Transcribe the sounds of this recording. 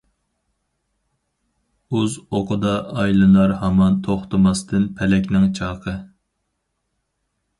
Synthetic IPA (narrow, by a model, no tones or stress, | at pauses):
uzoqʰʊd̪ɑɑjlˠɨnɑɾhɑmɑnt̪ʰoχt̪ɨmɑst̪ɨnpʰɛlɛkʲnɪŋt͡ʃʰɑːqʰə